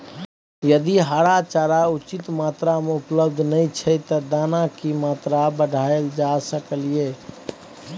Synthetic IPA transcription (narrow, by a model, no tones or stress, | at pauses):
jəd̪iɦaɽat͡ʃaːɾaut͡ʃit̪mat̪ɾamẽupləbd̪ʱnəit͡ʃʰɛt̪ɔd̪anakimat̪ɾabəɖʱaeld͡ʒasəkəlije